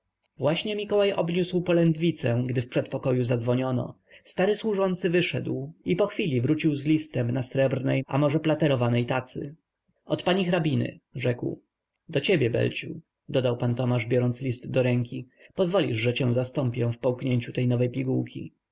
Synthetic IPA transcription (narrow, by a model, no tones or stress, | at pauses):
vwaɕɲɛmʲikɔwajɔbɲuswpɔlɛnd̪vʲit̪sɛ̃ɡd̪ɘfpʂɛt̪̚pɔkɔjuzad̪zvɔɲɔnɔ̰ | st̪aɾɘswuʐɔnt̪sɘvɘʂɛ̰d̪wipɔxfʲilʲivɾut͡ɕiwzlʲist̪ɛmnasɾɛbɾnɛjʔa̰mɔʐɛplat̪ɛɾɔvanɛjt̪at̪sɘ̰ | ɔt̪paɲixɾabʲinɘ̰ʐɛkw | d̪ɔt͡ɕebʲjɛbɛ̰lt͡ɕṵ | d̪ɔd̪awpant̪ɔmaʐbʲjɔɾɔntslʲist̪d̪ɔɾɛŋkʲi | pɔzvɔlʲiʐʐɛt͡ɕɛ̃w̃zast̪ɔmpʲjɛ̃fpɔwkɲeɲt͡ɕut̪ɛjnɔvɛjpʲiɡuwkʲḭ